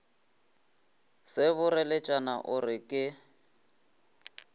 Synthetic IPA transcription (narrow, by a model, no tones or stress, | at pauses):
sɪβʊrɛlɛt͡ʃʼanaʔʊrɪkʼɪ